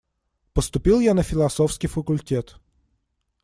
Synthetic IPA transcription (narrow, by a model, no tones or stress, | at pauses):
pəst̪ʊpʲilˠjanəfʲɪlˠɐsofskʲɪjfəkʊlʲtʲet̪